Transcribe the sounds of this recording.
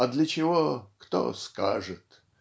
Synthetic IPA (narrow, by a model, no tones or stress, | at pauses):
ɐd̪lʲət͡ɕɪvokt̪o̰ska̰ʐɨt̪